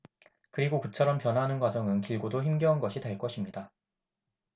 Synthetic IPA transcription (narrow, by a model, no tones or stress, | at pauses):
kɯɾiɡokɯt͡ɕʰʌɾʌmpjʌnɦanɯnɡwad͡ʑʌŋɯnkiɭɡodoçimɡjʌɯnɡʌɕʰiteɭk͈ʌɕʰimɲida